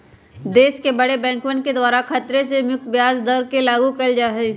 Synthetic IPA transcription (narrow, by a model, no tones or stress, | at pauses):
d̪eːʃkebɐɽebɛ̃ːŋkwənked̪waːɾakʰɐt̪ɾesemjʊk̚t̪bjaːzd̪ɐɾkelaːɡukɐld͡ʒaːɦeː